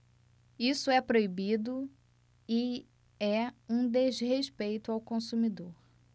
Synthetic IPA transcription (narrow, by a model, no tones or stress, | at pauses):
isʊɛpɾoibid̪ʊ | ɪ | ɛũd̪ezɦeʃpejt̪ʊawkõsumid̪oɾ